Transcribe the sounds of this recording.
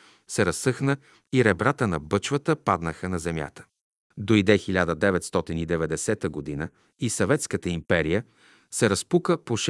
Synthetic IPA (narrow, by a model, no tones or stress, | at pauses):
sɛɾɐsːɤxnə | iɾɛbɾat̪ənɐbɤt͡ʃvət̪əpad̪nəxənɐzɛmʲja̰t̪ə̥ | d̪oid̪ɛxilʲad̪əd̪ɛvɛt̪st̪ɔt̪inid̪ɛvɛd̪ɛsɛt̪əɡod̪inə | isɐvɛt̪skət̪əimpɛɾijə | sɛɾɐspukəpoʃ